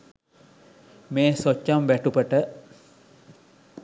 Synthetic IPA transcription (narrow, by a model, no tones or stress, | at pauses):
meːsot͡ʃːamʋæʈupəʈə